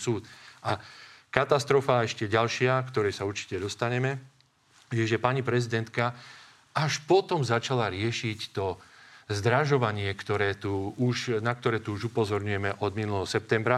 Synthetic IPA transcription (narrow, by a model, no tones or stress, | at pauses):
suːt̪ʔakat̪ast̪ɾɔfaɛʃcɛɟalʃɪakt̪ɔɾɛjsauɾt͡ʃi̥cɛd̪ɔst̪aɲɛmɛ | jɛʒɛpaɲipɾɛzid̪ɛnt̪ka | aʃpɔt̪ɔmzat͡ʃalaɾɪɛʃict̪ɔzd̪ɾaʒɔʋaɲɪɛkt̪ɔɾɛːt̪uuʃnak̚t̪ɔɾɛːt̪uuʒupɔzɔɾɲujɛmɛʔɔd̪minulɛɦɔsɛp̚t̪ɛmbɾa